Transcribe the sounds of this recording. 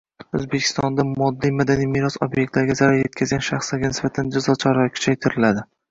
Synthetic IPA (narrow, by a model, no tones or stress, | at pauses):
ɵ̰zbe̞kʲʰɪ̥st̪ɒnd̪amɒd̪ːijmad̪anijmijɾɒsɒbjek̚ʲt̪laɾɪɡʲazaɾaɾje̞t̪̚kʰʲazɡʲanʃaχslaɾɡʲanɪsbat̪ʰand͡ʒazɒt͡ʃʰaɾɒkʰʊ̥t͡ʃʰajt̪ʰɪɾɪlad̪ɪ